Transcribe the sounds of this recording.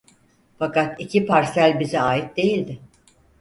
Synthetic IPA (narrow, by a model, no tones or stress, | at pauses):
fakat̪icʰipʰaɾsælʲbizɛaːit̪̚d̪e̞jilʲd̪ɪ